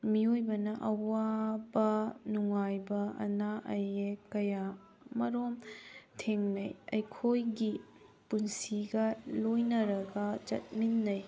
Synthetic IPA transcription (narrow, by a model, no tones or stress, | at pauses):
miojbɐnɐʔɐwabɐnuŋajbɐʔɐ̰naʔɐjekɐja | mɐɾomtʰeŋnɐjɐjkʰojɡi | punsiɡɐlojnɐɾɐɡɐt͡ʃɐ̰t̚minːɐj